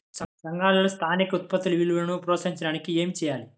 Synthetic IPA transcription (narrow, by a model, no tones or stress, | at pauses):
sɐsɐŋɡaːlɐlɐst̪ʰaːnikɐut̪̚pɐt̪ːiluʋiluʋɐlɐnupɾoːsɐɾiɲt͡ʃɐɽaːnikie̞ːmit͡ʃɛːjaːli